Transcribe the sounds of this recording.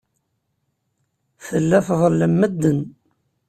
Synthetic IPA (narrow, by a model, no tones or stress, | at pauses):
θəlːæθðˤəlːəmːəd̪ːən